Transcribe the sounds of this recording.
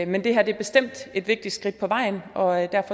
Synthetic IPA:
mend̥e̝ɦæɐd̥e̝æɐb̥e̝sd̥em̰d̥e̝d̥ʋe̝ɡ̥̚d̥i̥sɡ̥ʁid̥̚pʰɒ̽ʋɑ̈ɪ̰nʔɒ̽d̥æɐ̰fɒ̽

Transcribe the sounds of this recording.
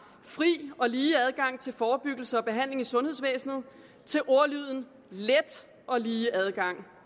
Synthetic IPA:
fʁḭːɒ̽liːæð̞ˠɡ̥ɑ̈ŋ̰t͡sʰe̝lfɒːb̥yɡ̥l̩səɒ̽b̥e̝ɦæn̰le̝ŋisɔ̽nhe̝ðˠs̬ʋḛːsnð̞̩ˠ | t͡sʰe̝lʔo̝ɐlyð̞̰ˠn̩ | led̥ | ɒ̽liːæð̞ˠɡ̥ɑ̈ŋ̰

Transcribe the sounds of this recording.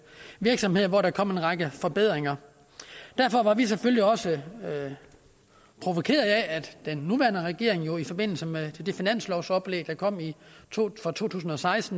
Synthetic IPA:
ʋiɐɡ̥sɒ̽mhe̝ð̞̰ˠʋɒɾɑkʰɒ̽m̰e̝nʁɑ̈ɡ̥əfɒ̽b̥eð̞̰ˠʁeŋɐ | d̥æɐfɒ̽ʋɑ̈ʋis̬efølliɒ̽sə | pʰʁo̝ʋo̝kʰe̝̰ːɐð̩ˠææd̥d̥enːuʋæɐnəʁɛɡ̥e̝̰ɐ̰eŋjo̝ifɒ̽b̥e̝n̰l̩səmed̥e̝finæn̰slɒʊsɒ̽b̥leɡ̥̚d̥ɑ̈kʰɒ̽m̰i | fɒt͡sʰo̝̰ːt͡sʰṵːs̬n̩ɒ̽sɑ̈ɪsd̥n̩

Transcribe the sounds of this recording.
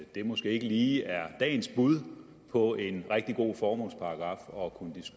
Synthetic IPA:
d̥e̝mosɡ̥e̝̰ːe̝ɡ̥əliːæɐd̥ɛ̰ːn̩sb̥uð̞ˠ | pʰɒ̽e̝nʁeɡ̥̚d̥iɡ̥o̝̰ːfɒːmɔ̽lspʰɑ̈ɑɡ̥ʁɑ̈ːfɒ̽kʰunəd̥isɡ̥

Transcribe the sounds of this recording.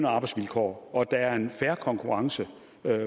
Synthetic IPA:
nɐɑ̈ːb̥ɑ̈ɪdsʋilkʰɒ̰ːɒ̽d̥ɑ̈æɐe̝nfæɐkʰɒ̽ŋkʰuʁɑ̈ŋsə | ø

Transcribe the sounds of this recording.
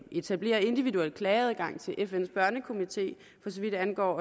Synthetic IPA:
e̝t͡sʰæb̥le̝̰ːɐe̝nd̥iʋiðuel̰d̥̚kʰlɛːð̞̩ˠɡ̥ɑ̈ŋ̰t͡sʰe̝lʔefen̰sb̥ɶɐnəkʰo̝mit͡sʰe̝̰ː | fɒ̽sɒʋid̥ænɡ̥ɒ̰ː

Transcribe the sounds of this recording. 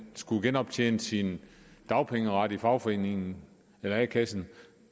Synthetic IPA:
sɡ̥uɡ̥enɒ̽b̥̚t͡ɕʰjḛːnəsind̥ɑ̈ʊpʰeŋəʁɑ̈d̥ifɑ̈ʊfɒ̽e̝̰ːne̝ŋn̩ | elɐækʰæsn̩

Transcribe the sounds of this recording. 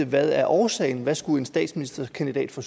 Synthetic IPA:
əʋæðˠæɐʔɒːsɛ̰ɪn̩ʋæsɡ̥ue̝nsd̥ɛ̰ːd̥sminisd̥ɐkʰænd̥id̥ɛ̰ːd̥fɒ̽s

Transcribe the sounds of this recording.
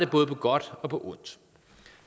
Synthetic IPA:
d̥eb̥ɔ̽ːðˠpʰɒ̽ɡ̥ɒ̽d̥ɒ̽pʰɒ̽ʔɔn̰d̥

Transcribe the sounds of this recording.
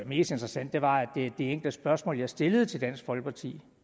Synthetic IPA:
me̝̰ːsd̥e̝nd̥ʁɐsæn̰d̥e̝ʋɑ̈æd̥ed̥e̝eŋɡ̥ld̥əsb̥ɶɐsmɔ̰ljɑ̈sd̥e̝ləð̩ˠt͡sʰe̝ld̥æn̰sɡ̥fɒ̽lɡ̥ə̥pʰɑ̈t͡sʰḭː

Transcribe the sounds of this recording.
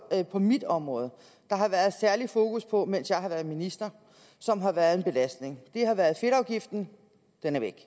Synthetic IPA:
pʰɒ̽mid̥ɒ̽mʁɔ̽ːð̞̩ˠ | d̥ɑ̈ɦɑ̈ʋæɐð̞̩ˠsæɐlifo̝ːkuspʰɒ̽men̰sjɑ̈ɪɦɑ̈ʋæɐðˠminisd̥ɐ | sɒ̽mɦɑ̈ʋæɐð̩ˠe̝nb̥e̝læsd̥ne̝ŋd̥e̝ɦɑ̈ʋæɐð̞̩ˠfe̝ɾ̥ɑ̈ʊɡ̥ifd̥n̩ | d̥enæɐʋeɡ̥

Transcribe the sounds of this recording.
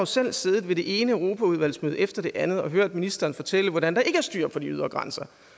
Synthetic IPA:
osel̰se̝ːð̞ˠð̩ˠʋe̝de̝ʔe̝ːnəøʊʁo̝ːpʰæuð̞ˠʋæl̰smøːð̞ˠefd̥ɐɾ̥e̝ʔænð̞̩ˠɒ̽ɦøɐ̰d̥̚minisd̥ɐːnfɒ̽t͡sʰel̰əʋɒɾænd̥ɑ̈e̝ɡ̥əæɐsd̥y̰ːɐ̰pʰɒ̽d̥iyðˠʁɐɡ̥ʁɑnsɐ

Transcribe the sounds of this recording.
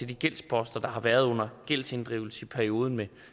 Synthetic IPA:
e̝d̥iɡ̥el̰spʰɒ̽sd̥ɐd̥ɑ̈ɦɑ̈ʋæɐð̞ˠɔ̽n̰ɐɡ̥el̰se̝nd̥ʁḭʊl̩səipʰæɐio̝ːð̞ˠn̩me

